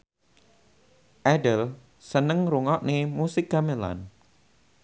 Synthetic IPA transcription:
ʔɛdəl | sənəŋɾuŋɔʔnemusɪkamela̰n

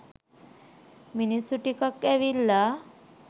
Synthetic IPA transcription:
minisuʈikakːɛʋilːa

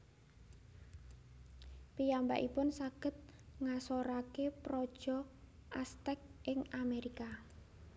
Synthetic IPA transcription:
pijamba̰ʔḭpʊnsaɡ̥ə̤t̪̚ŋasoɾakepɾɔd̥ʒ̥ɔ̤ʔast̪ɛk̚ʔɪŋameɾika

